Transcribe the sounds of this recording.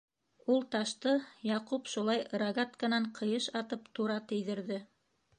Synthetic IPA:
ulˠt̪ɑʃt̪ɤjɑqupʃulˠɑjɾɐɡat̪kənɑɴqʰɤ̆jɤʃɑt̪ɤpt̪uɾɑt̪ɘ̆jðɘ̆ɾðɘ

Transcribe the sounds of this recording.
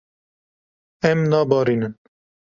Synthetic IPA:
ɛmnɑːbɑːɾiːnɨn

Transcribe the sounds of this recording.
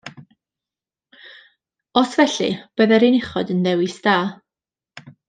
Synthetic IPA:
ɔsvɛɬɨ̰b̥əðɛɾinɪχɔdənðɛwɪsd̥aː

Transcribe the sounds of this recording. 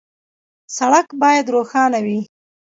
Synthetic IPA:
saɽakbɑjad̪ɾoxɑnawi

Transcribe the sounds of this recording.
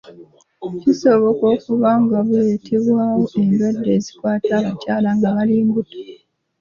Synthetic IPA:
ciso̞βo̞ko̞ːkuβaŋɡaβule̞ːtʰe̞βwaːwo̞ʔe̞ndwadːe̞ːzikwaːtaːβacaːlaŋɡaβaliːmbutḁ

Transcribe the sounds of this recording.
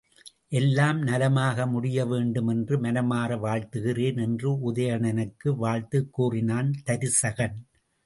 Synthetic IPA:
ʔɛlːaːmnɐlɐmaːɣɐmʊɽɪjɐʋeːɳɖɯmɛndrɯmɐnɐmaːrɐʋaːɻt̪ɯɣɪreːnɛndrɯʊðɐjɐɳɐnɯkːɯʋaːɻt̪ɯkːuːrɪnaːnt̪ɐɾɯsɐɣɐn

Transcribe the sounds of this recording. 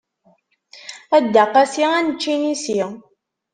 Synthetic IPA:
æd̪ːaqːæsiænət͡ʃːinisi

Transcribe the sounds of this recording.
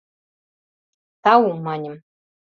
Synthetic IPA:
t̪ɑwumɑnʲɘ̆m

